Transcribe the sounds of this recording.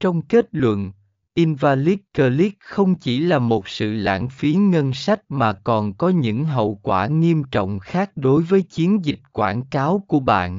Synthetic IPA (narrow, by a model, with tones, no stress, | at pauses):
t͡ɕɔ˧wŋ͡mke˦˥t̚lwə̰˧˨n | ʔi˧nvaː˧li˦˥kkəː˧li˦˥k̚xə˧wŋ͡mt͡ɕi˧˩laː˨˩mo˨˩t̚sɨ̰˧˨la̰ː˧˥nfi˨˦ŋə˧nsa˦˥jk̟̚maː˨˩kɔ˨˩nkɔ˨˦ɲɨ̰˧˥ŋɦə̰˧˨wkwaː˧˩ŋi˧əmt͡ɕɔ̰˧˨wŋ͡mxaː˦˥k̚ɗo˨˦jvəː˨˦jt͡ɕi˨˦ənzi˨˩t̚kwaː˧˩nkaː˨˦wku˧˩əɓa̰ː˧˨n